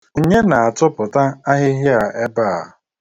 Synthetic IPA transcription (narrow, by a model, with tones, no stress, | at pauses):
u˨ɲe˦na˨a˨tʊ˦pʊ˨ta˦a˦ɦɪ˦ɦɪ˦a˨ʔe˦ba˦˨a˨